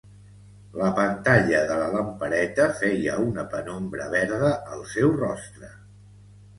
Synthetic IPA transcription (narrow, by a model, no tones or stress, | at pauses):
ləpənt̪aʎəðələləmpəɾɛt̪əfɛjəunəpənombɾə̰βɛɾðəʔəlˠsɛwrɔst̪ɾə